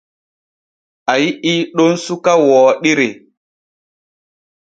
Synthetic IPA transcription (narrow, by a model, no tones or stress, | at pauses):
ajiiːɗonsukawɔːɗiɾe